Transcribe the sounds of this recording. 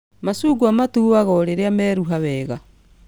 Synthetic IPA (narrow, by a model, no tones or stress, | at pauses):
masuːɡwamatuwaɣɔɾeɾeamɛːɾuɦawɛːɣa